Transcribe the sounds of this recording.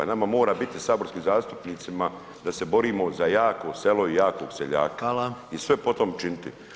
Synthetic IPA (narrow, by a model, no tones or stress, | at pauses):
a̰namamo̞ːɾabit̪isaːbo̞ɾskiːmzaːst̪u̥pniːt̪sima | d̪ase̞bo̞ɾiːmo̞zajaːko̞se̞lo̞ijaːko̰ɡseʎa̰ːkaisʋe̞po̞t̪o̞mt͡ʃinit̪ḭ